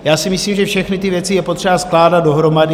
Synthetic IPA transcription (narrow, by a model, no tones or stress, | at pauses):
jaːsɪmɪsliːmʒɛfʃɛxnɪt̪ɪvjɛtt͡sɪjɛpot̪r̥ɛbasklaːdat̪̚do̞ɦɾo̞madɪ